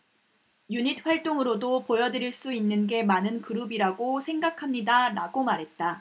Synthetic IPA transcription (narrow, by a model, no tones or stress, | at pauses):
juɲit̚ʰɸwaɭt͈oŋɯɾodopojʌdɯɾiɭs͈uinːɯnɡe̞manɯnkɯɾubiɾaɡosʰe̞ŋɡakʰamɲidaɾaɡomaɾɦe̞t̚t͈a